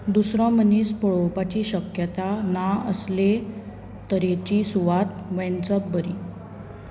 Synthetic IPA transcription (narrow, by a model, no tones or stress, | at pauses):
d̪usɾɔ̃məniːspɔɭɔwpat͡ɕiːɕəkjət̪anaə̰sle | t̪əɾet͡ɕiːsuʋat̪ʋɛ̃nt͡səbbəɾiː